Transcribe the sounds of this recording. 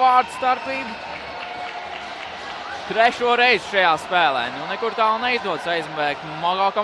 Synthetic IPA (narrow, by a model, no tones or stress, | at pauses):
aːɾd̪st̪aɾpiːbu | t̪ɾɛʃuɔɾɛjzʃajaːspæːlˠɛ̰ːnɛnɛkuɾt̪aːlˠnɛizd̪uɔd̪sajzmvɛːk | maɡaːka